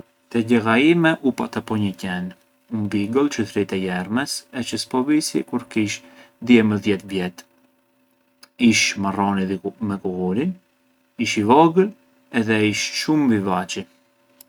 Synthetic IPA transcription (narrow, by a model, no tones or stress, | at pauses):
t̪ɛɟɛɣaimɛʔupat̪apɔɲəcɛn | unbiɡɔlˠt͡ʃəθɾit̪ɛjɛɾmɛsɛt͡ʃəspɔvisḭkuɾkiʃ | d̪jɛməðjɛt̪vjɛt̪ | iʃmarɔnimɛkuɣuɾin | iʃivɔɡəl | ɛðɛiʃʃumvivat͡ʃi